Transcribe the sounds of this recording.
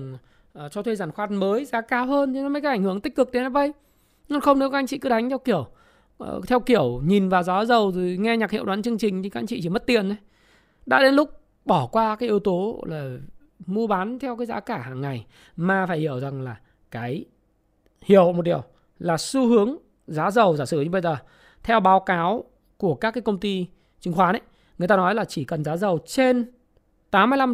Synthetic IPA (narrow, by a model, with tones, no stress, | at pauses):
ʔt͡ɕɔ˧t̪ʰwe˧zaː˧˩nxwaː˧˩nməː˨˦jzaː˨˦kaː˨˧˦whəː˧nt̪i˨˧˩nɔ˨˦mə˨˦kaː˨˦˥ʔŋ̟hɨ˧˩əŋt̪ï˦˥k̟̚kɨ˨˩k̪̚e˨˦naː˨˧˥ɓə˧˩j | nɔ˧nxə˧wŋ͡mne˨˦waː˦˥ʔŋ̟t͡ɕḭ˧˨kɨ˨˦ɗa˨˦jŋt̪ʰɛ˧wki˧˩əw̰ | t̪ʰɛ˧wki˧˩əwɲi˨˩nvaː˨˩wzaː˨˦zə˨˩wzi˨˩ŋɛ˧ɲa˨˩k̚hḭ˧˨waː˨˦nt͡ɕɨ˧əŋt͡ɕï˨˩ŋ̟t̪ʰi˨˩˧ʔŋ̟t͡ɕḭ˧˨t͡ɕi˧˩mə˦˥t̚t̪i˨˩ənʔə˨˦ | ɗa̰ː˧˥ɗe˨˦nlʊ˦˥k͡p̚ | ɓɔ˧˩kwaː˧kaː˨˦jʔi˨ə˦wt̪o˨˦laː˨˩ | mu˧əɓaː˨˦nt̪ʰɛ˧wkaː˨˦jzaː˨˦kaː˧˩haː˨˩ŋːa˨˩j | maː˨˩faː˧˩jhi˧˩əwza˨˩ŋlaː˨˩ | kaː˨˦j | hḭ˧˩əwm˨˩t̚ɗi˨˩əw | laː˨˩su˧hɨ˨˦əŋ | zaː˨˦zə˨˩wzaː˧˩sɨ̰˧˩ɲɨ˧ɓə˧jzəː˨˩ | t̪ʰɛ˧wɓaː˨˦wkaː˨˦w | ku˧˩əkaː˦˥kːaː˨˦kə˧wŋ͡mt̪i˧ | t͡ɕi˨˧˦ŋxwaː˨˦na˨˦j | ŋɨ˨˩jt̪aː˧nɔ˨˦jlaː˨˩t͡ɕi˧˩kə˨˩nzaː˨˦zə˨˩wt͡ɕe˧n | t̪aː˨˦mː˧˦jla˧m